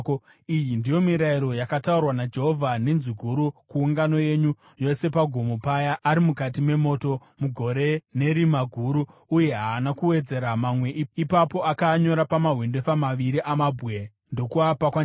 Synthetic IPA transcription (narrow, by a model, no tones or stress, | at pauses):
ijindijo̞miɾaiɾo̞jakataurwanad͡ʒe̞ɦo̞vʱane̞nziɡʱuɾukuːŋɡano̞je̞ɲu | jo̞se̞paɡʱomopajaʔːɾimukatime̞mo̞ːto̞ | muɡʱo̞ɾe̞ne̞ɾimaɡʱuɾuuje̞ɦaːnakuwe̞d͡ze̞ɾamamwe̞ʔipapo̞akaɲo̞ɾapamaɦwinde̞famaʋiɾiʔamabʱɣe | ndo̞kuapakwa